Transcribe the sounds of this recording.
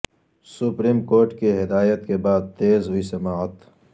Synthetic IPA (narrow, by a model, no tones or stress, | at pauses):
sʊpɾiːmkoːɾʈkiɦɪd̪aːjət̪kebaːd̪̚t̪eːzɦʊisɐmaːɐt̪